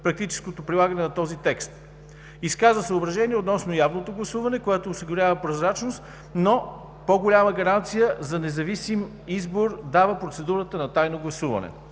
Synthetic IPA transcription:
pɾɐk̚t̪it͡ʃɛ̥skot̪opɾilˠaɡənɛnɐt̪ɔzit̪ɛkst̪ | iskazvəsɐobɾɐʒɛniɛot̪nɔsnojavnot̪oɡlˠɐsuvɐnɛkoɛt̪oːsiɡʊɾʲavəpɾozɾat͡ʃnost̪ | no | poɡolʲaməɡɐɾant̪sijəzɐnɛzɐvisim | izboɾd̪avəpɾot̪sɛd̪uɾət̪ənɐt̪ajnoɡlˠɐsuvɐ̰nɛ̰

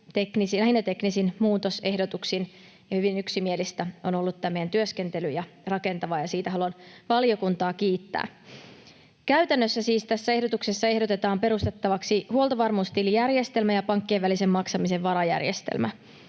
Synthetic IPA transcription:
t̪e̞knisiæhinːæt̪e̞knisinmuːt̪o̞se̞hdo̞t̪uksin | jɑhyʋinyksimie̞list̪æo̞no̞lːut̪tæmːeænt̪yøske̞nt̪e̞lyjɑ | rɑke̞nt̪ɑʋɑjɑsiːt̪æɦɑluɑnʋɑlijo̞kunt̪ɑːkiːt̪ːæ̰ː | kæyt̪ænːøsːæsiːst̪æsːæe̞ɦdo̞t̪uksesːɑeɦdo̞t̪e̞t̪ɑːmpe̞ɾust̪e̞t̪ːɑʋɑksihuo̞lˠt̪ɑʋɑrmuːst̪ilijærje̞st̪e̞lmæjɑpɑŋkːeːʋʋælise̞mːɑksɑmise̞ʋʋɑɾɑjæ̰rjḛst̪ḛlmæ̰

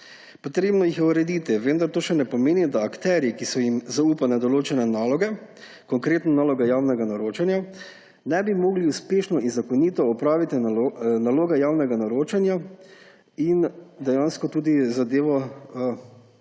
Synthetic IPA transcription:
pɔt̪ɾeːbnɔjixjɛuɾɛd̪iːt̪iʋənd̪aɾt̪oːʃɛnɛpɔmeːnid̪aːkt̪ɛːɾjikisɔjimzauːpanɛd̪ɔloːt͡ʃɛnɛnaːlɔɡɛ | kɔŋkɾeːt̪nanaːlɔɡajawnɛɡanaɾoːt͡ʃanja | nɛbimoːɡliuspeːʃnɔinzakɔniːt̪ɔɔpɾaːʋit̪inaloːɡajaːwnɛɡanaɾoːt͡ʃanja | ind̪ɛjanskɔt̪uːd̪izad̪eːʋɔ

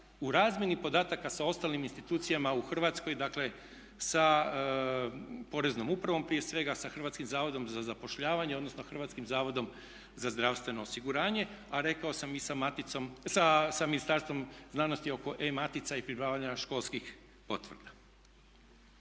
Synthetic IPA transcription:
uɾaːzmjenipo̞d̪aːt̪akasao̞st̪alniminst̪it̪uːt̪sijamauxr̩ʋat̪sko̞jd̪akle̞ | sa | po̞ɾe̞znomupɾaʋo̞mpɾije̞sʋe̞ɡasaxr̩ʋat̪skimzaːʋo̞d̪o̞mzazapo̞ʃʎaːʋaɲeo̞d̪no̞snoxrʋat̪skimzaːʋo̞d̪o̞m | zazd̪ɾaʋst̪ʋe̞no̞osiɡuɾaːɲe̞ | aɾe̞kaosamisamat̪it̪somsasaminist̪aɾst̪ʋo̞mznaːno̞st̪io̞ko̞ʔemat̪it̪saipɾipɾaːʋaɲaʃko̞lˠskix | po̞t̪ʋrd̪a

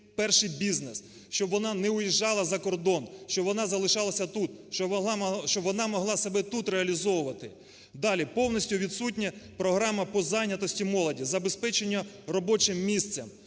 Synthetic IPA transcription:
pɛrʃɪjbʲiznes | ʃt͡ʃɔbʋɔnɑnɛʊjiʒːɑlˠɐzɐkɔrd̪ɔnʃt͡ʃɔbʋɔnɑzɐlˠɪʃɑlˠɐsʲɐt̪ut̪ | ʃt͡ʃɔbʋɔnɑmɔɦlˠɑsɐbɛt̪ut̪ɾeɐlʲizɔwʊʋɐt̪ɪ | d̪ɑlʲipɔwnɔsʲtʲʊʋʲit̪sutʲnʲɛpɾɔɦɾɑmɐpɔzɑjnʲɐt̪ɔsʲtʲimɔlˠɐdʲizɐbespɛt͡ʃenʲːɐ | rɔbɔt͡ʃɪmːʲist̪sɛm

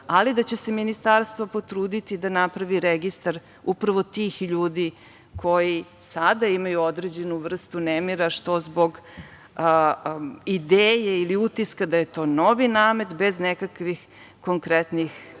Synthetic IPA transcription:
alid̪at͡ɕe̞seminist̪aɾst̪vʋopo̞t̪ɾuːd̪it̪id̪anapɾaʋiɾeɡist̪aɾ | upɾaʋo̞t̪iːxʎuːd̪i | kʰo̞jisad̪aimajuod̪ɾed͡ʑe̞nuʋr̩st̪unemiɾaʃt̪o̞zbo̞ɡ | id̪eːjeiliut̪iskad̪ajet̪o̞ːno̞ʋinaːme̞t̪be̞znekakʋix | ko̞ŋkɾet̪nix

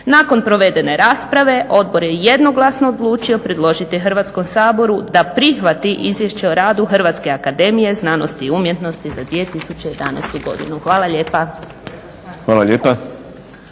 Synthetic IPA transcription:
nako̞npɾo̞ʋe̞d̪e̞ne̞ɾaːspɾaʋe̞ʔo̞d̪̚bo̞ɾje̞jed̪no̞ɡlˠasno̞ːd̪lˠuːt͡ʃio̞pɾe̞d̪lˠo̞ʒit̪ixr̩ʋat̪sko̞msaːbo̞ɾud̪apɾixʋat̪iʔizʋjeʃt͡ɕeoɾaːd̪uxr̩ʋat̪ske̞akad̪e̞mije̞znaːno̞st̪iːumjet̪no̞st̪izad̪ʋie̞t̪isut͡ɕe̞je̞d̪a̰na̰ːst̪uɡo̞̰d̪ḭnuxʋaːlaʎe̞ːpa | xʋaːlˠaʎeːpa

